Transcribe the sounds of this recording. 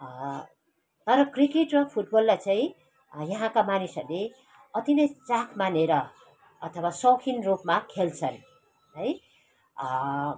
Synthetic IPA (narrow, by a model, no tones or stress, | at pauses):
t̪ʌɾʌkrikeʈrʌpʰuʈ̚bʌlːat͡saĩ | jʌɦãkamanisʌ̰ɾle | ʌt̪inʌjt͡sakʰmaneɾʌ | ʌt̪ʰʌwasʌwkʰinrupmakʰelt͡sʰʌn | ɦʌj